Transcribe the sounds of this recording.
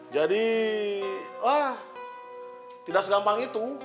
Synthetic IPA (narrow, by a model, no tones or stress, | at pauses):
d͡ʒadi | ah | t̪idaʔsəɡambaŋit̪u